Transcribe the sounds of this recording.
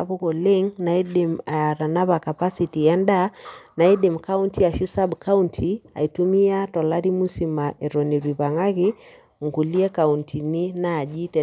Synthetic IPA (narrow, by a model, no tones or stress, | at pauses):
aβuɣɔliŋnaiɗɛmaɾanaβakapasitiandanaiɗɛmkauntʰiaʃusabkauntʰia̰itumiatɔlaɾimusimaʔɛɾɔniɾiβaŋaɣi | ŋɡuliɛkauntʰininaːʄitɛ